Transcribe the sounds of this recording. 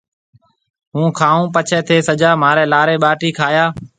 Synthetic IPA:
ɦũːkʰaːũːpət͡ʃʰɛːt̪ʰeːsəd͡ʒaːmaːɾɛːlaːɾeːɓaːʈiːkʰaːjaː

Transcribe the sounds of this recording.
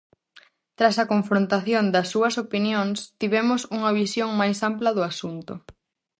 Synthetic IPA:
t̪ɾasɐkoɱfɾõnt̪aθjond̪ɐsːuɐsopinjoŋst̪iβɛmʊsuŋɐβisjoŋmajsamplɐðʊasunt̪ʊ

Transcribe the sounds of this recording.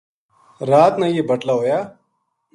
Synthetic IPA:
ɾaːt̪najebɐʈlaɦoːjaː

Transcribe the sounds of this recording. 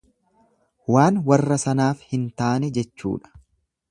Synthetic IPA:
waːnwɐrːɐsɐnaːfhɪnt̪aːnɛd͡ʒɛt͡ʃːṵːᶑɐ̥

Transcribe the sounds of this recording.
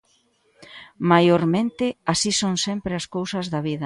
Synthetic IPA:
majoɾmẽnt̪ɪasisoŋsempɾɪɐskowsɐzðɐβiðɐ

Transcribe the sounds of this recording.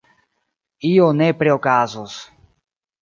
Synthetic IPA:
ionepɾeokazos

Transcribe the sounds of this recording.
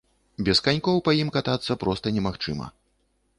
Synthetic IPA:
bʲɛskanʲkɔwpɐjimkat̪at̪sːɐpɾɔst̪ɐnʲɛmaxt͡ʂɨ̰mɐ̰

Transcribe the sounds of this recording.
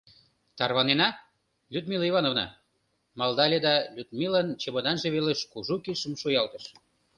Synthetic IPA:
t̪ɑrβɑnenɑ | lʲyd̪miliβɑnovnɑ̰ | mɑld̪ɑlʲed̪ɑlʲyd̪mʲilənt͡ɕeβonɑnʒeβeleʃkuʒukiʃəmʃujɑlt̪əʃ

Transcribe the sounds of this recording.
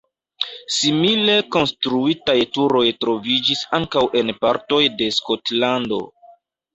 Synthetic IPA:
simile̞ko̞nstɾuitajtuɾo̞jtɾo̞vid͡ʒisaŋkawʔe̞npaɾto̞jde̞sko̞tlando̞̰

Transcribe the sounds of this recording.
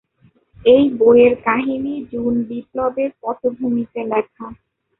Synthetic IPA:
ejboeɾkaɦinid͡ʑunbiplobeɾpɔt̪obʱumit̪elɛkʰa

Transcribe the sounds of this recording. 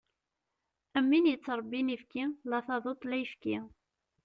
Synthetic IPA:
əmːinjət͡sːɾˤbːinifkilɑθɑðˤot̪ˤlæjfki

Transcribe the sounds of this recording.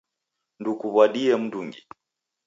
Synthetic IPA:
ndukuβwaɗiɛm̩nduŋɡi

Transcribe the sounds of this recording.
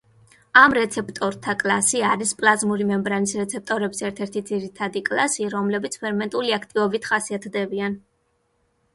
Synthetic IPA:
amɾɛt̪sʰɛp̚ʰt̪ʼɔɾt̪ʰakʼlˠasiaɾispʼlˠazmuɾimɛmbɾanisɾɛt̪sʰɛp̚t̪ʼɔɾɛbisɛɾt̪ʰɛɾt̪ʰid̪ziɾit̪ʰad̪ikʼlˠasiɾɔmlɛbit̪sʰpʰɛɾmɛnt̪ʼuliakʰt̪ʼivɔbit̪ʰχasiat̪ʰd̪ɛbian

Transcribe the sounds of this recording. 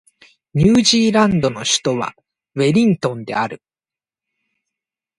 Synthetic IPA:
ɲ̟ɨːʑiːɾãnd̪o̞no̞ɕi̥t̪o̞βa̰ | βe̞ɾʲĩnt̪õ̞nd̪e̞̰aɾɯ̟

